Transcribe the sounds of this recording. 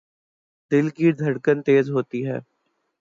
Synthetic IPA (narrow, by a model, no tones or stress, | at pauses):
d̪ɪlkid̪ʱɐɽkənt̪eːzɦoːt̪iɦɛ̰ː